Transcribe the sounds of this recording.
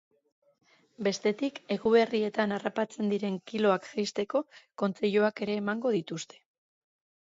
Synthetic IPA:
be̞st̪e̞t̪ike̞ɣuβe̞rie̞t̪anarapat͡se̞nd̪iɾe̞ŋkilo̞akʝejst̪e̞ko̞ko̞nt͡se̞ʎoake̞ɾe̞ːmaŋɡo̞ðit̪ust̪e̞̥

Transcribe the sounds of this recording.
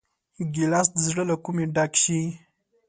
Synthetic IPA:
ɡilasd̪əzɽəlakumeɖakʃi

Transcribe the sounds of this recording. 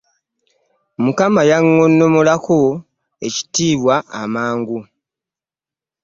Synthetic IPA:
mukamajaŋːo̞nːo̞mo̞lako̞ | e̞̰ci̥tiːβwaʔa̰maːŋɡu

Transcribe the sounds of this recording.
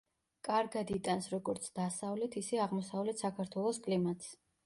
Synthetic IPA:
kʼaɾɡad̪it̪ʼansɾɔɡɔɾt̪sʰd̪̥asavlɛt̪ʰisɛaʁmɔsavlɛt̪ʰsakʰaɾt̪ʰwɛlˠɔskʼlimat̪s

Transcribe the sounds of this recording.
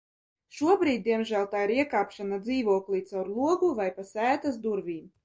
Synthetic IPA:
ʃuɔbɾiːd̪̚ʲd̪iɛmʒæːlˠt̪aːiɾiɛkaːpʃanad̪ziːvuɔklˠit̪sawɾlˠuɔɡuvajpasæːt̪as̬d̪uɾvʲiːm

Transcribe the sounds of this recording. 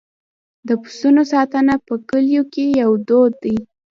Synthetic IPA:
d̪əpʊ̥sunosɑt̪ənapəkəljokejawd̪od̪ːəj

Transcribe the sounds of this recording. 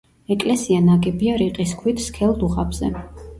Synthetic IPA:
ɛkʼlɛsianaɡɛbiaɾiqʼiskʰwit̪ʰskʰɛlˠd̪uχabz̥ɛ̰

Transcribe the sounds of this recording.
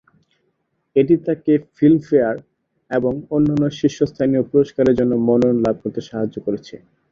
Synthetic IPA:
eʈit̪akefilmfeaɾ | eboŋonːanːoʃiʃːost̪ʰaniopuɾoʃkaɾeɾd͡ʑonːomɔnonlab̚ʱkoɾt̪eʃaɦad͡ʑːokoɾet͡ɕʰḛ

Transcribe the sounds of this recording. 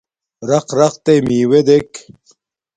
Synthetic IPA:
ɾɐqɾɐqt̪emiːwed̪ek

